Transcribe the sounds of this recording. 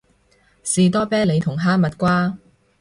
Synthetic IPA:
siː˨t̪ɔː˥pɛː˥le˨˧jt̪ʰʊ˨˩ŋɦaː˥mɐ˨t̚kʷaː˥

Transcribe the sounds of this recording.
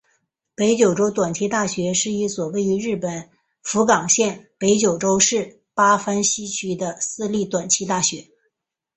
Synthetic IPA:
pe˧˥ɪt͡ɕjo˨˩ʊʈ͡ʂo˥ʊt̪wa˨˩nt͡ɕʰi˧˥t̪a˥˩ɕɥɛ˧˥ʂɻ̩˥˧i˥˩swɔ˨˩we˥˩ɪy˧˥ɻɻ̩˥˩pə˨˩n | fu˧˥kɑ˨˩ŋɕjɛ˥˩npe˧˥ɪt͡ɕjo˨˩ʊʈ͡ʂo˥ʊʂɻ̩˥˩ | pa˥fa˥nɕi˥t͡ɕʰy˥d̪ə˧sɹ̩˥˧li˥˩t̪wa˨˩nt͡ɕʰi˧˥t̪a˥˩ɕɥɛ˧˥

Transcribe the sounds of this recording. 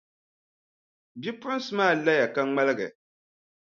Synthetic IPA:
bi˦pʊ˦sɨ˨˦maː˦˨la˦ja˨ka˦ŋ͡ma˦lɨ˦ɡɨ˨

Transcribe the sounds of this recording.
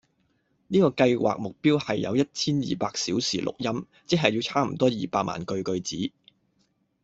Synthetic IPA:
niː˥kɔː˧kɐ˧jwa̰ː˨k̚mʊ˨k̚piː˥whɐ˨jːɐ˨˧wjɐ˥t̚t͡sʰiː˥njḭː˨paː˧k̚siː˨˥wsḭː˨˩lʊ̰˨k̚jɐ˥m | t͡sɪ˥k̚ɦɐ˨jiː˧wt͡sʰaː˥m̩˨˩t̪ɔː˥jiː˨˩paː˧k̚ma̰ː˨nkɵ˧ɥkɵ˧ɥt͡siː˨˥

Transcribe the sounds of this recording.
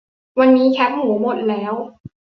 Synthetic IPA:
wa˧nːiː˦˥kʰɛ˦˥k̚mu˩˦mo˨˩t̪̚lɛː˦˥w

